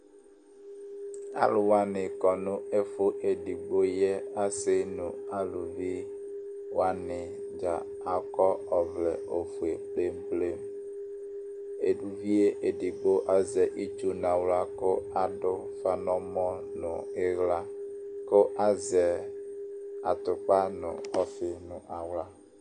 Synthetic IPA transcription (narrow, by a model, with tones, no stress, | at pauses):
a̰˦lʊ˨wa˦nɪ˨kɔ˨nʊ˦e˦fʊ˦ʔe˨di˨ɡ͡bo˦jɛ˦a˦sɪ˦nʊ̃˨a˦lu˨vi˦ | wa˦nɪ˨ | d͡ʒa˨ | a˨kɔ˦ɔ˨vlɛ˨o˨fu˨e˨k͡ple˦mple˦m | e˨du˨vi˦e˦ʔe˨di˨ɡ͡bo˦ʔa˦zɛ˨ʔi˦t͡ʃu˦n˨a˨wla˦kʊ˦a˨ɖʊ˦ | fa˨nɔ̃˦mɔ̃˦ | nʊ˨ɪ˦ɣla˦ | kʊ˦ʔa˦zɛ˨ | a˨t̪ʊ˨k͡pa˦nʊ̰̃˨ɔ˦fɪ˨nʊ̃˨ʔa˨wla˦